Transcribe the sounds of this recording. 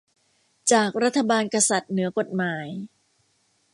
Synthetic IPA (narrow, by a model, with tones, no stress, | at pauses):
t͡ɕaː˨˩k̚ɾa˦˥t̪ʰːa˧baː˧nka˧sa˨˩t̪̚nɯ˩˦ɐko˨˩t̪̚maː˩˦j